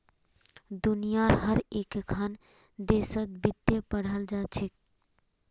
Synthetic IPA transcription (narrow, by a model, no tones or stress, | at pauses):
d̪unijaɾɦəɾekkʰan | d̪esət̪̚bit̪ːjepəɽ̤əld͡ʒat͡ʃʰik̚